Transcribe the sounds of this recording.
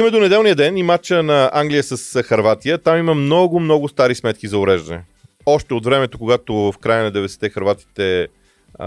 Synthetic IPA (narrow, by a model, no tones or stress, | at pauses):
imɛd̪onɛd̪ɛlˠnijəd̪ɛnimat͡ʃənɐaŋɡlijəsəsxɐɾvat̪ijət̪amimɐmnɔɡʊmnɔɡʊst̪aɾismɛt̪̚kizɐʊɾɛʒd̪ənɛ̰ | ɔʃt̪ɛot̪vɾɛmɛt̪okoɡat̪ovfkɾajənɐd̪ɛvɛd̪ɛst̪ɛxɐɾvat̪i̥t̪ɛ